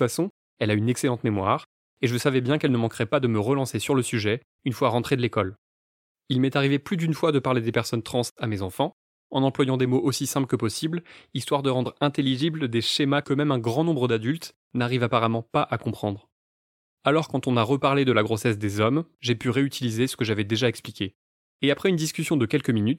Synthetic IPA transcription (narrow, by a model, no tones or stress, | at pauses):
ut̪fasɔ̃ | ɛlaynɛkselɑ̃t̪memwaʁ | eʒəsavɛbjɛ̃kɛlnəmɑ̃kʁɛpad̪əməʁəlɑ̃sesyʁləsyʒɛ | ynfwaʁɑ̃t̪χed̪əlekɔl | ilmɛt̪aʁiveplyd̪ynfwad̪əpaʁled̪epɛʁsɔnt̪χɑ̃samezɑ̃fɑ̃ | ɑ̃nɑ̃plwajɑ̃d̪emoʔosisɛ̃pləkəpɔsiblist̪waʁd̪əʁɑ̃d̪ʁɛ̃t̪eliʒibld̪eʃemakəmɛmɛ̃ɡʁɑ̃nɔ̃bʁəd̪ad̪ylt̪ | naʁivapaʁamɑ̃paʔakɔ̃pχɑ̃d̪ʁ | alɔʁkɑ̃t̪ɔ̃naʁəpaʁled̪əlaɡʁosɛs̬d̪ezɔmʒepyʁeyt̪ʰilizesə̥kəʒavɛd̪eʒaɛksplikʲe | eapχɛynd̪iskʲysjɔ̃d̪əkʲɛlkəminyt̪